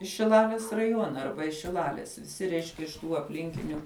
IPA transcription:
ɪʃ ʃʲɪˈlˠɑːlʲɪs rɐˈjuɔnɐ ˈɐrbɐ ʃʲɪˈlˠɑːlʲɪs ʋʲɪˈsʲɪ ˈrʲɛɪʃʲkʲɛ ɪʃ tuː ɐpʲˈlʲɪŋʲkʲɪnʲʊ

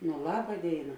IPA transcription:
nʊ ˈlˠɑːbɐ ˈdʲeːɪnɐ

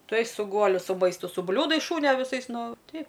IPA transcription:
ˈtuɔj sʊ ˈɡuɔlʲʊ sʊ ˈmɐɪstʊ sʊ ˈbʲlʲuːdɐɪs ˈʃuːnʲoː ʋʲɪˈsɐɪs ˈnʊ ˈtʲɛɪp

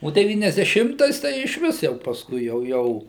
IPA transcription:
oː dʲɛˌʋʲiːnʲɛzʲdʲɛˈʃʲɪmtɐɪs tɐɪ ɪʃʲˈʋʲɪs jɛʊ pɐsˈkʊɪ jɛʊ ˈjɛʊ

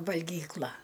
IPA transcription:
ʋɐlʲɡʲiːˈklˠɐ

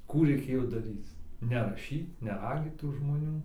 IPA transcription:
ˈkuː rʲɛɪˈkʲeːjoː dɐˈrʲiːt͡s nʲɛrɐˈʃʲiːt nʲɛˈrɑːɡʲiːt tuː ʒmoːˈnʲuː

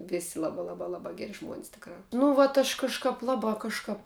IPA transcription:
ˈʋʲɪsʲɪ ˈlˠɑːbɑː ˈlˠɑːbɑː ˈlˠɑːbɑː ˈɡʲæːrʲɪ ʒmuɔnʲsʲ ˈtʲɪkrɑː nʊ ˈʋɐt ɐʃ kɐʃˈkɑːp ˈlˠɑːbɑː ˈkɑːʃkɑːp

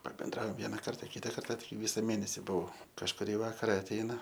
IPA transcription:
pɐbʲɛnˈdrɐoːm ˈʋʲiɛnɐ ˈkɐrtɐ ˈkʲɪtɐ ˈkɐrtɐ ˈʋʲɪsɐ ˈmʲeːnʲɛsʲɪ bʊˈɐʊ kɐʃkʊˈrʲiː ˈʋɑːkɐrɐ ɐtʲˈɛɪnɐ

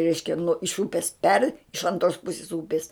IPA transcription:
ˈrʲɛɪʃʲkʲɛ nuɔ ɪʃ ˈuːpʲɪs pʲɛrʲ ɪʃ ɐnˈtroːs ˈpʊsʲɪs ˈuːpʲɪs

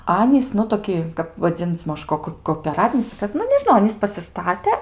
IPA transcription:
ˈɑːnʲiːs nʊ toːˈkʲɪ kɐp ʋɐˈd͡zʲɪnʲt͡sʲ ˈmɐʃ ˈkoːk koːpʲɛˈrɑːtʲɪnʲɪs ɐr ˈkɐs nʊ nʲɛʒʲɪˈnɐʊ ˈɑːnʲiːs pɐsʲɪˈstɑːtʲɛ

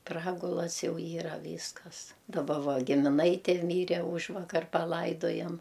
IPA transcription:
ˈprɑːɡʊlˠɐs ˈjɛʊ ˈiːrɐ ˈʋʲiːskɐs dɐˈbɐ ˈʋɐ ɡʲɪmʲɪˈnɐɪtʲeː ˈmʲiːrʲɛ ˈuːʒʋɐkɐr pɐˈlˠɐɪdoːjɛm

